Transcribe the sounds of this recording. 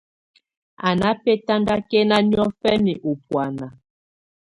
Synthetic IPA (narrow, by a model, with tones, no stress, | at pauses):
a˨na˦pe˦ta˦ŋɡa˦ke˦na˦ni˦ɔ˦fɛ˦mi˨ʔu˨pwa˨na˨